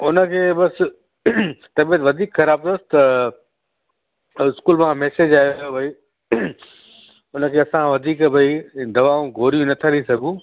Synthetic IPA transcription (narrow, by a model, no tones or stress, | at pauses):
ʊnə̆kʰeːbɐs | t̪ɐbiət̪ʋɐd̪ʱiːkxɐɾaːb̚t̪ost̪ɐ | ɪskuːlmãmɛːseːd͡ʑaːɦijojobʱɐi | ʊnə̆kʰeːɐsãʋɐd̪ʱiːkbʱɐid̪ɐʋaːũɡʱoːɾijũnɐt̪ʰaɾisɐɡũ